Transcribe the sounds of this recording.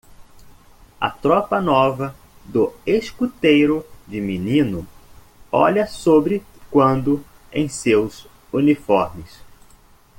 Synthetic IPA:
ɐ̰t̪ɾɔpɐnɔvɐ | d̪ʊeskut̪ejɾʊd͡ʒɪminĩnʊ | ɔ̰ʎɐsobɾɪkwɐ̃nd̪ʊ | ḛ̃j̃sewz | unifɔɾmɪs

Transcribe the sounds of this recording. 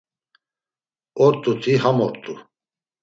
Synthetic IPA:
ɔɾt̪ʼut̪ʰiɦamɔɾt̪ʼu

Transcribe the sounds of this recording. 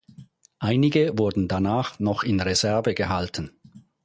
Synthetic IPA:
ʔaɪnɪɡəvʊɐdn̩danaːχnɔχɪnʁezɛɐvəɡəɦaltn̩

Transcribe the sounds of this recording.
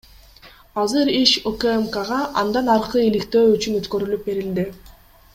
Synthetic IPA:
ɑzɯɾiʃokemkaʁɑʔɑnd̪ɑnɑɾqɯilikt̪ø̞ːyt͡ʃynøt̪kø̞ɾylyp̚be̞ɾild̪i

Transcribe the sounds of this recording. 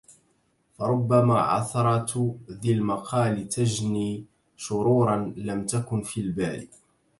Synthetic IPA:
fɑɾˤʊbːamaːʕɑ̰θɑɾˤɑt̪ðalmaqʰɑːlɪt̪ad͡ʒniː | ʃʊɾuːɾˤɑnlamt̪akʊnfilbaːɾḭ

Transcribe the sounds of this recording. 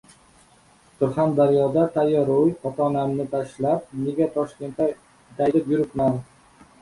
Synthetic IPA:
sʊɾχand̪aɾijɒd̪at̪ʰajɒɾojχɒt̪ʰːnamnɪt̪ʰaʃlap̚ne̞ɡʲat̪ʰɒʃkʲe̞nt̪ːa | t̪ʰajlɪpjʊɾɪp̪man

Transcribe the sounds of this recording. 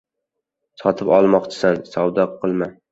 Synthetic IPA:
sɒt̪ʰɪpɒlˠmɒqt͡ʃʰɪ̥sansɒwd̪ɒqʰɨlˠma

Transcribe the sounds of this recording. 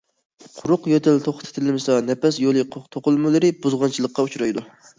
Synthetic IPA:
qʰʊɾʊqjøt̪ʰɪlt̪ʰoχt̪ʰɛ̥t̪ʰɪlmɨsɑnɛpɛs̬jolˠɨqʰt̪ʰoqʊlˠmɨlˠɨɾɨbuzʁɑnt͡ʃʰilˠəqːɑut͡ʃɾɑjd̪u

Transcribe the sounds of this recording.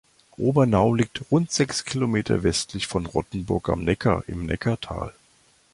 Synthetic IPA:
ʔoːbɐnaʊliːk̚tʁʊntz̥ɛkskʰilomeːtʰɐ̰vɛstʰlɪçfɔnʁɔtn̩bʊɐka̰mnɛkʰɐ̰ʔɪ̰mnɛ̰kʰɐtʰa̰ːl

